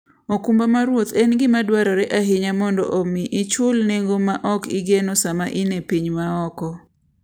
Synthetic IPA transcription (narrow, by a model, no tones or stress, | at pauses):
okumbamaɾwot̪ɛnɡɪmadwaɾɔɾɛʔaɦɪɲamɔndɔ̰ʔomiʔit͡ʃʊlneŋɡomaʔɔkiɡenosama̰ʔɪnepiɲmaɔkɔ